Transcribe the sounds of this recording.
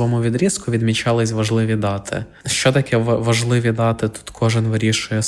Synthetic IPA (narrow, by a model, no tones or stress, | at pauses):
ʋɔmuʋʲid̪ɾʲiskʊʋʲid̪mʲit͡ʃɑlˠɪsʲʋɐʒlˠɪʋʲid̪ɑt̪ʰɪ̰ | ʃt͡ʃɔt̪ɐkʲʰɛʋɐʒlˠɪʋʲid̪ɑt̪ɪt̪u̥t̪kʰɔʒɪnʋɪɾʲiʃʊjɛ